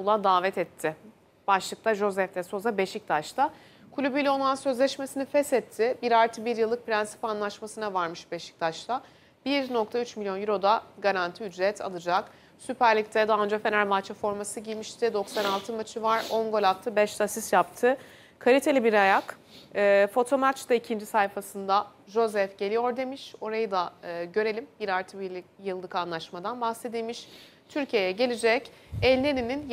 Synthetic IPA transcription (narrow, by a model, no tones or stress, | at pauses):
ulˠad̪aːvɛt̪ʰɛt̪ʰːɪ | b̥aʃlˠɯk̚t̪ʰaʒo̞zɛft̪ɛso̞zabe̞ʃic̚t̪ʰaʃt̪ʰa | kʰulʲybylʲɛo̞nˠansø̞zlʲɛʃmesinifɛsɛt̪ʰːɪbiɾaɾt̪ʰɯbiɾjɯlˠːɯk̚piɾænsi̥panlˠaʃmasɯnavaɾmɯʃbe̞ʃi̥c̚t̪ʰaʃt̪a | b̥iɾno̞k̚t̪ʰayt͡ʃmilʲjo̞njyɾo̞d̪aɡaɾant̪ʰiyd͡ʒɾɛt̪ʰa̰lˠɯd͡ʒak | sypʰæɾlʲic̚t̪ʰɛd̪aːɯnd͡ʒafe̞næɾmat͡ʃʰafo̞ɾmasɯɟijmiʃt̪ʰɪd̪o̞ksanalˠt̪ʰɯmat͡ʃʰɯvaɾo̞ŋɡo̞lʲat̪ʰɯbɛʃt̪ʰasisjap̚t̪ʰɯ | kʰalʲit̪ʰe̞lʲibiɾajak | ɯːfo̞t̪ʰo̞mat͡ʃd̪aicʰind͡ʒisajfasɯnd̪a | ʒo̞zɛfɟ̥e̞lʲijo̞ɾd̪e̞miʃo̞ɾajɯd̪aːɟø̞ɾe̞lʲimbiɾaɾt̪ʰɯbiijɯlˠd̪ˠɯkanlˠaʃmad̪anbahse̞d̪ilʲmiʃ | t̪ʰyɾcʰije̞jɛɟe̞lʲid͡ʒɛc | ɛlʲnʲeninin